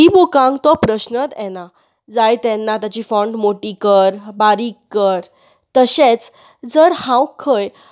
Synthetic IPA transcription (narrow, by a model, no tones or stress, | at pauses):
ɦibokãŋɡt̪ɔpɾəɕnət̪ɛna | d͡zajt̪ɛnːat̪jat͡ɕifɔ̃ɳɖmoʈikəɾbaɾikːəɾ | t̪əɕet͡s | d͡zəɾhãwkʰːəj